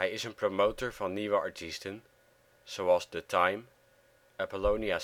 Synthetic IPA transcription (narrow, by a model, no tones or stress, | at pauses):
ɦɛjɪsənpromowtoɹvɑnːiʋəɑ̰ɹtʰistən | z̥owɑlˠzdətʰajm | apəlownia